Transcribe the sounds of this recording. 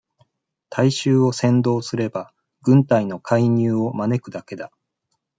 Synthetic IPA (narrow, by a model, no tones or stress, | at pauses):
t̪ʰaiɕɨːo̞sẽ̞nd̪o̞ːsɨɾe̞ba | ɡɯ̟̃nt̪aino̞kʰaiɲ̟ɨːo̞mane̞kɯ̟d̪ake̞d̪a